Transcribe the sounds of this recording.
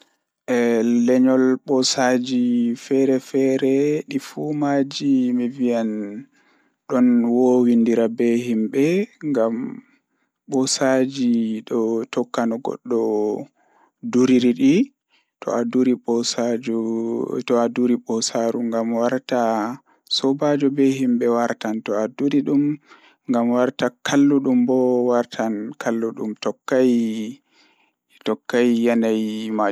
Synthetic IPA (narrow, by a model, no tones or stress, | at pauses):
ʔɛlɛɲɔlɓɔsad͡ʒifɛɾɛfɛɾɛɗifumad͡ʒimɛvijan | ɗɔnwowindiɾabɛhimɓɛŋɡam | ɓɔsad͡ʒiɗɔtɔkːanɔɡɔ̰ɗːɔ | duɾiɾiɗi | tʰɔ̰aduɾiɓɔsad͡ʒutɔaduɾiɓɔsaɾuŋɡamwaɾta | sɔbad͡ʒɔbɛhimbɛwaɾtantɔaduɾiɗum | ŋɡamwaɾtakʰalːuɗumbɔwaɾtʰankʰalːuɗumtɔkːaj | tɔkːajːanajma